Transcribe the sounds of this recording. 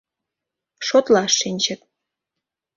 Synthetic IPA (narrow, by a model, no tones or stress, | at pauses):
ʃot̪lɑʃːinʲt͡ɕə̆t̪̚